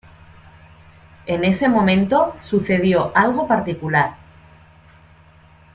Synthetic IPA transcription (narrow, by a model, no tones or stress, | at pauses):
e̞ne̞se̞mõ̞mẽnt̪o̞suθe̞ð̞jo̞ʔalɣ̞o̞paɾt̪ikulaɾ